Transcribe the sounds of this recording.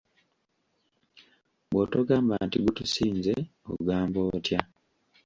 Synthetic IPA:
bwotoɡaːmbantiɡutusiːnzeo̰ɡaːmbo̞ːtja

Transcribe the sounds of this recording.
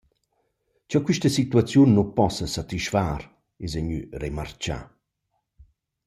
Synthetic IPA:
t͡ʃɔkwiʃtəsit̪uat͡sjunːupɔsəsat̪iʃfaɾ | ezɛɲy̰rema̰rt͡ʃa̰

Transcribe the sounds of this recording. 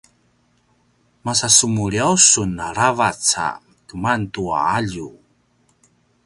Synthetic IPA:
masasumuɾiawsunaɾavat͡sa̰ | kəmantua̰aʎu

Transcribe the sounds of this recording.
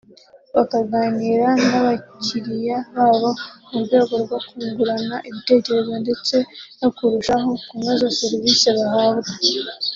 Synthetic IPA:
βakaɡaːniɾanaβacʰiɾijaβaːβo̞muɾɡo̞ːɡo̞ɾɡwakuːŋɡuɾanaʔiβite̞ce̞ɾe̞zo̞nde̞t͡se̞nokuɾuʃaɦo̞kumazase̞ɾviseβahaːβɡe

